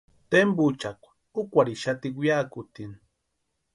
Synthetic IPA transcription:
t̪embut͡ʃakʷḁ | ukʷaɾiʃat̪ikwjakʊt̪in

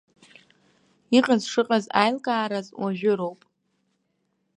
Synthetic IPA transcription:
iqʼazʂɨqʼaza̰jlkʼaːɾazwaʒᶣʊɾo̞wpʼ

